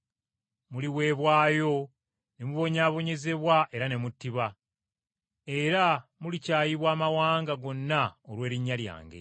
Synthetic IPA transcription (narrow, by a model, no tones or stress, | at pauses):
muliwe̞ːβwaːjo̞ | nemuβo̞ɲaːβo̞ɲe̞ze̞βwaʔe̞ɾane̞mutːiβa | e̞ɾamulicaːjiβwaːmawaːŋɡaɡo̞nːaolwe̞ːɾiɲːalja̰ːŋɡe̞̰